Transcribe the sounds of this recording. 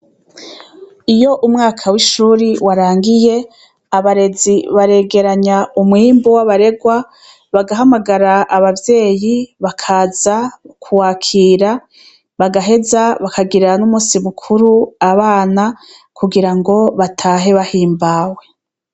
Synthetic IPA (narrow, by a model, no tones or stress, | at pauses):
ijo̞ʔumŋaːkʰawiʃuːɾiwaɾaːŋɡije̞ | aβaɾe̞ziβaɾe̞ɡe̞ɾaɲaumŋiːmbowaβaɾe̞ɡwa | βaɡaɦamaɡaɾaaβavje̞ːjiβakʰazakʰuwaːkʰiːɾa | βaɡaɦe̞zaβakaɡiɾanumusimukʰuɾuaβaːna | kʰuɡiɾaŋɡo̞βatʰaːɦe̞βahiːmbaːwe̞